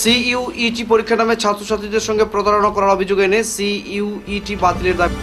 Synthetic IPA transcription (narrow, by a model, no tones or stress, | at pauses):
siuiʈipoɾikʰːanamet͡ɕʰat̪ːɾoʃat̪ɾid̪eɾʃɔŋɡepɾod̪ʱaɾonakɔɾaɾobʱid͡ʑoɡenesiuiʈibat̪ileɾd̪abi